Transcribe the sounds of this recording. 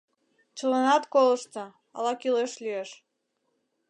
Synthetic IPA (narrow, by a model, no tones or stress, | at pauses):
t͡ɕələnɑt̪koləʃt̪ɤ̆ | ɑ̰lˠɑkileʃlieʃ